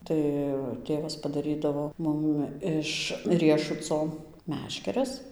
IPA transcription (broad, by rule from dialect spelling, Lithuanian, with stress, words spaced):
ˈtɐɪ ˈtʲeːʋɐs pɐdɐˈrʲiːdɐʋoː ˈmʊm ɪʃ ˈrʲiɛʃʊt͡soː ˈmʲæːʃʲkʲɛrʲɛs